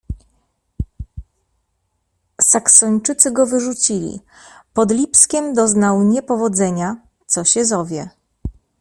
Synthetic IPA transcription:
saksɔɲt͡ʂɘt̪sɘɡɔvɘʐut͡ɕilʲḭ | pɔd̪lʲipskʲɛmd̪ɔznawɲɛpɔvɔd̪zɛɲa | t̪sɔɕɛzɔvʲjɛ

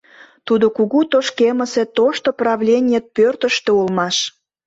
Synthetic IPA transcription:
t̪ud̪okuɣut̪oʃkeməset̪oʃt̪oprɑvlʲenʲijet̪̚pørt̪əʃt̪eulmɑʃ

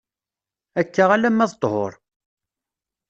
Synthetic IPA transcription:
ækːaʁalæmːæðt̪ˤho̰ɾˤ

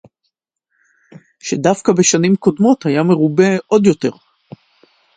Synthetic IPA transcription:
ʃedafkabe̞ʃanimko̞d̪mo̞t̪hajame̞ʁube̞ʔo̞d̪jo̞t̪e̞ʁ

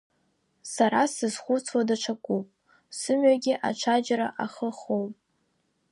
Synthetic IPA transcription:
saɾasɨzχʷʊt͡sʰwadaʈ͡ʂʷʰakʷʼupʼ | sɨmɥaɡʲɪʔa̰ʈ͡ʂʷʰad͡ʒɾaʔaχəχowpʼ

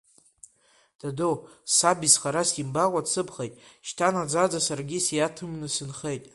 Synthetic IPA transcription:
d̥adowsabizχaɾasimbaqʷʼat͡sʰɨpʰχejtʼʃtʰanad͡zad͡zasarɡʲisjatʰɨmnɨsɨnχe̞jtʼ

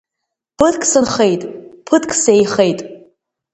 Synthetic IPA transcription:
pʰɨdkʼsɨnχejtʼpʰɨdkʼsejχejtʼ

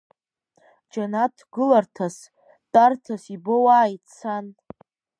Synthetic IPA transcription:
d͡ʒanatʰɡɨlartʰas | tʼartʰasibowaːjt͡sʰan

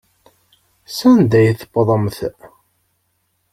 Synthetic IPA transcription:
sænd̪æjθəbðˤəmθ

